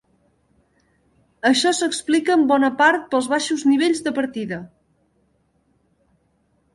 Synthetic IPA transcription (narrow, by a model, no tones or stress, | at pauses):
əʃɔsəksplikəːmbɔnəpaɾt̪̚pəlˠzβaʃuzniβ̞eʎʲzðəpəɾt̪iðə